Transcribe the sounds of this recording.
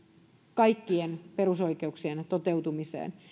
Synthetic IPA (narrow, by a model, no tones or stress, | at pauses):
kɑikːienperuso̞ikeuksient̪ot̪ewt̪umisḛːn